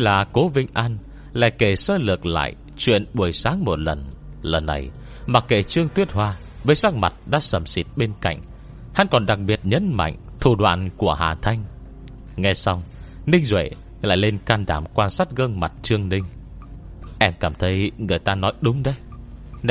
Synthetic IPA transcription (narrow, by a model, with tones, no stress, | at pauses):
laː˨˩ko˨˦vï˧ŋ̟ʔaː˧n | la̰ː˧˨jke˧˩səː˧lɨ˨˩ək̚la̰ː˧˨j | t͡ɕwḭ˧˨ənɓu˨˩əjsaː˨˦ŋmo˨˩t̚lə˨˩nlə˨˩nːa̰˨˩j | maː˨˩ke˧˩t͡ɕɨ˧əŋt̪wi˦˥ət̚hwaː˧ | vəː˨˦jsa˦˥k̚ma˨˩t̚ɗa̰ː˧˥sə˧˩msi˨˩t̚ɓe˧nka̰˧˨jŋ̟ | ha̰˧˥nkɔ˨˩nɗa˨˩k̚ɓi˨˩ət̚ɲə̰˨˥nma̰˧˨jŋ̟t̪ʰu˧˩ɗwa̰ː˧˨nku˧˩əha̰ː˨˩t̪ʰa˧jŋ̟ | ŋɛ˧jsa˧wŋ͡m | nï˧ŋ̟zwḛ˧˨ | la̰ː˧˨jle˧nkaː˧nɗaː˧˩mkwaː˧nsaː˦˥t̚ɣə˧ŋma˨˩t̚t͡ɕɨ˧əŋnï˧ŋ̟ | ʔɛ˧mkaː˧˩mt̪ʰə˨˦jŋɨ˨˩əjt̪aː˧nɔ˨˦jɗʊ˨˦ŋ͡mɗə˧j